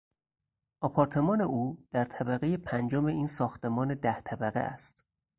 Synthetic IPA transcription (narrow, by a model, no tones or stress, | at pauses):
ʔɒpʰɒːɾt̪ʰe̞mɒːne̞ʔuːd̪̥æɾt̪ʰæbæɣe̞jepʰænd͡ʒome̞iːnsɒːxt̪e̞mɒːne̞d̪æht̪ʰæbæɣḛʔæ̰st̪